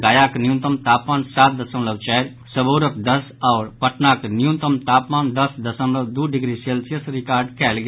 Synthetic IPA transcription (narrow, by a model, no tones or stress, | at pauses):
ɡaːjaːknɪjũnt̪əmt̪aːpmaːnsaːt̪̚d̪ɐsə̃nləʋt͡ʃɛːɾ | səboːɾək̚d̪əsɔːɾpəʈnaːknɪjũnt̪əmt̪aːpmaːnd̪əsd̪əsə̃mləwd̪uːɖɪɡɾiseːlsijəsɾɪkaːɾɖkʰɛːlɡ